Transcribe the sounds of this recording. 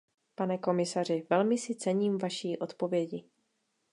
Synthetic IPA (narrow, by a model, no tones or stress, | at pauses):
panɛko̞mɪsar̝ɪvɛlmɪsɪt͡sɛɲiːmvaʃiːʔo̞t̪po̞vjɛɟɪ